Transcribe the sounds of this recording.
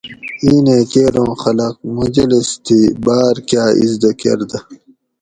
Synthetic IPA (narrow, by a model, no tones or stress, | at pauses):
iːnẽːkeːɾõːxɐlɐq̚mud͡ʑɐlist̪ʰibaːɾkjaːḭzd̪ɐkḛɾd̪ɐ